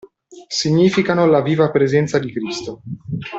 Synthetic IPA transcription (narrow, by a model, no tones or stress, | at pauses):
siɲːiːfikanolaviːvapɾezɛnt̪sad̪ikɾist̪o